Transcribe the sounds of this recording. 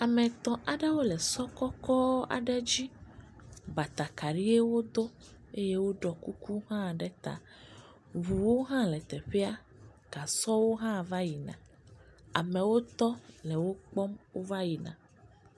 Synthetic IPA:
a˨mɛ̃˨t̪ɔ̃˨ʔa˨ɖɛ˦wo˦lɛ˨sɔ˦kɔ˦kɔ˦a̰˨ɖɛ˦d͡ʑi˦ | ba˨t̪a˨ka˨ɖi˦e˦wo˦d̪o˦ | e˦je˦wo˦ɖɔ˨ku˦ku˦ɦã˦˨ɖɛ˦t̪a̰˨ | βu˨wo˦ɦã˦lɛ˨t̪ɛ˨ɸɛ˦a˦ | ɡ̥a˨sɔ˦wo˦ɦã˦˨va˦ji˨nã̰˨ | a̰˨mɛ̃˨wo˦t̪ɔ˦lɛ˨wo˦k͡pɔ˦mwo˦va˦ji˨nã̰˨

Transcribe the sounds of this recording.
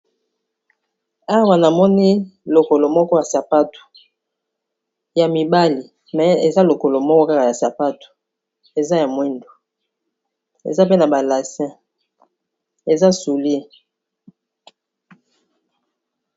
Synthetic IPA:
a˦wa˨na˨mɔ˦ni˦lo˨ko˨lo˨mɔ˦kɔ˦ja˨sa˨pa˦tu̥˨ | ja˨mi˨ba˦li˨ | mɛ˨e˨za˦lo˨ko˨lo˨mɔ˦kɔ˦ka˦ka˨ja˨sa˨pa˦tu̥˨ | e˨za˦ja˨mwi˦ndo˨ | ḛ˨za˦pe˦na˨ba˨la˨sɛ̃˦ | e˨za˦su˨li˦

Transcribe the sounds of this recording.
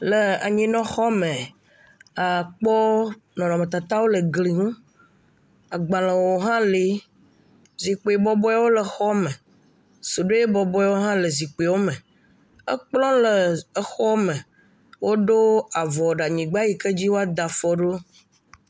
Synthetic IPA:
lə˨a˨ɲĩ˦nɔ̃˦xɔ˦mẽ˨ | a˨k͡pɔ˦ | nɔ̃˨nɔ˨me˨t̪a˨t̪a˦wo˦lə˨ɡli˨ŋũ˦ | a˨ɡ͡ba˨lə̃˨wo˨ɦã˦li˦ | zi˨k͡pe˨e˨bɔ˦bɔ˦ja˦wo˦lə˨xɔ˦mɛ˨ | so˨ɖo˦e˦bɔ˨bɔ˦ja˦wo˦ɦã˦lə˨zi˨k͡pe˨wo˦mə̃˨ | ə̰˦k͡plɔ̃˦lə˨ə˦xɔ˦mə̃˨ | wo˦ɖo˦a˨vɔ˨ɖa˨ɲĩ˨ɡ͡ba˦ji˦kə˦d͡ʑi˦wo˦a˦d̪a˨fɔ˦ɖo˦

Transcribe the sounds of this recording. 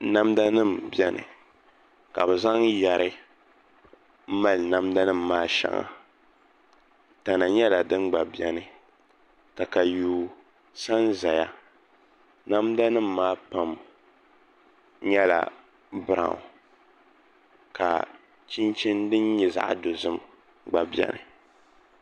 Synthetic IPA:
na˦mda˦nɨ˦˨mbɛ˦nɨ̰˨ | ka˨bɛ˨za˦ŋja˨ɾʔɨ˦ | ma˦lna˦mda˦nɨ˦m̩ː˨aː˦ʃa̰˦ŋa̰˨ | ta˨na˨ɲɛ˦la˨dɨ˦nɡ͡ba˨bjɛ˨nɨ˨ | ta˨ka˨juː˨ | sa˦nza˨ja˦ | na˦mda˦nɨ˦m̩ː˦aː˦pa˨m | ɲɛ˦la̰˨ | bɨ˦ɾã̰˨ŋ̰˨ | ka̰˨ | t͡ʃi˦nt͡ʃi˦ndɨ˦nɲɛ˨za̰˨ʔa̰˨do˨zɨ˦m | ɡ͡ba˨bjɛ̰˦nɨ˨

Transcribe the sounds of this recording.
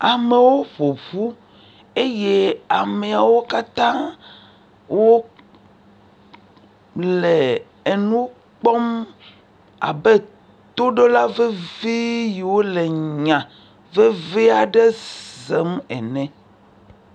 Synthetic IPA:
a˨me˨wo˦βo˨βu˦ | e˦je˦a˨me˨a˨wo˦ka˦t̪ã˦ | wo˦ | le˨ | e˨nũ˦ | k͡pɔ˦m | a̰˨bɛ˦ | t̪o˦ɖo˦la˦ve˦vi˦ji˨wo˦le˨ɲã˨ | ve˦ve˦a˨ɖɛ˦ze˨˦mɛ̰˨nɛ̃˨

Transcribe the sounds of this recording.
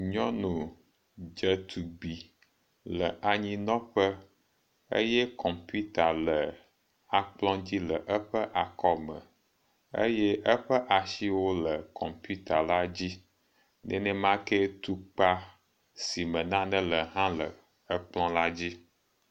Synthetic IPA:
ɲɔ̃˦nũ˨ | d͡ʒə˦t̪ʰu˨ɡ͡bi˨ | lə˨ʔa˨ɲĩ˦nɔ̃˦ɸə˦ | ḛ˦jɛ˦kʰɔ̃˨mpi˦t̪a˨lə˨ | a˨k͡plɔ̃˦d͡ʑi˦lə˨ʔə˦ɸə˦ʔa˨kɔ˦mə̰̃˨ | ḛ˦jɛ˦ʔə˦ɸə˦ʔa˨ʃi˦wo˦lə˨kɔ˨mpu˦t̪a˨la˦d͡ʑi˦ | nɛ̰̃˦nɛ̃˦mã˦kɛ˦t̪u˦k͡pa˦ | si˨mə̃˨nã˦nə̃˦lə˨ɦã˦lə˨ | ə˦k͡plɔ̃˦la˦d͡ʑi˦

